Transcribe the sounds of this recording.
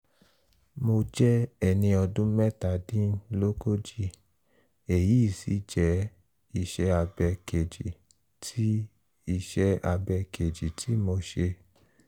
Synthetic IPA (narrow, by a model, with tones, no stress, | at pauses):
mo˧d͡ʒɛ˦ɛ˨nĩ˧ɔ˧dũ˦mɛ˦ta˨dĩ˦lo˦ko˦d͡ʒi˦ | e˨ji˨˦i˦˨si˨˦d͡ʒɛ˦ | i˧ʃɛ˧˦a˧bɛ˧ke˨d͡ʒi˨ | tʰi˦ | i˧ʃɛ˦a˧bɛ˧ke˨d͡ʒi˨tʰi˨˦mo˧ʃe˧